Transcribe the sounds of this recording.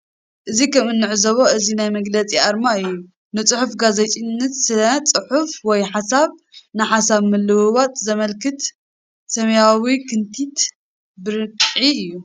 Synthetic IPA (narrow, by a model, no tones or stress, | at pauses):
ʔɨzikʰɐmɨnːɨʕzɐβoɨzinajmɐɡlɐt͡sʼiʔaɾmaɨjːu | nɨt͡sʼɨħufɡazet͡ʃʼinːɐt̪sɨlɐt͡sʼɨħufwɔjħasaβnɨħasaβmɨlːɨβɨβat̪zɐmɐlkɨt̪ | sɐmɐjawikʰɨnt̪ʰit̪ | bɨɾɨkʼʕiɨjːu